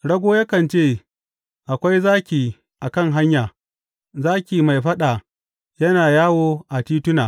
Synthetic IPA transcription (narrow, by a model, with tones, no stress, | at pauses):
ɽɐ˦ɡʷoː˦ja˦kɐ˨nt͡ʃeː˦˨ | ʔa˨kʷa˦jzaː˦kʲiː˨ | ʔa˨kɐ˦˨ŋɦa˦ɲjaː˨ | zaː˦kʲiː˨ma˨jɸɐ˦ɗa˨ | jɐ˦naː˨jaː˦woː˦ʔa˨tiː˦tʊ˦naː˨